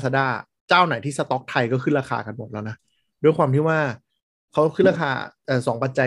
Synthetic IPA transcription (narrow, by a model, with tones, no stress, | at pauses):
sa˧daː˥˩ | t͡ɕaː˥˩wna˨˩˦jt̪ʰiː˥˩sa˧t̪ɔ˦˥k̚t̪ʰa˧jkɔː˥˩kʰɯː˥˩ɾaː˧kʰa̰ː˧ka˧nmo˨˩lɛː˦˥˩na˦˥ | duː˧˥˩əjkwaː˧mt̪ʰiː˥˩waː˥˩ | kʰa˦˥wkʰɯː˥˩ɾaː˧kʰa̰ː˧ʔɤː˨˩sɔː˩˦ŋpa˧t̪̚t͡ɕa˧